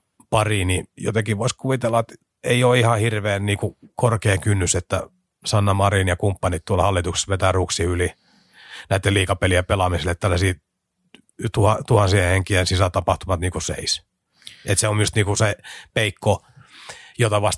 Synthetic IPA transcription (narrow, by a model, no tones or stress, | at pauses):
pɑrinijo̰t̪ekiʋoiskuʋit̪elːɑet̪ | eioːihɑhirʋeːnniːkukorkeːkynːyset̪ːæ | sɑnːɑmɑrinjɑkumpːɑnit̪t̪uolhɑlːit̪ukse̥sʋet̪æruksiyli | næit̪ːeliːkɑpeliæpelɑmiselːet̪t̪ælːæsiː | t̪uhɑt̪uhɑnsiheheŋkiensisæt̪ɑpɑht̪umɑt̪niːkusḛis | et̪seomjust̪niːkusepeikːo | jot̪ɑʋɑst̪